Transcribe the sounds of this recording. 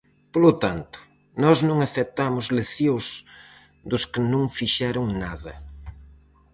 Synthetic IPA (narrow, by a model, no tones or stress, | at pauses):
polʊt̪ant̪ʊ̥ | nɔznõŋaθet̪amʊzleθiws | d̪ʊskɪnõŋfiʃɛɾʊŋnaðɐ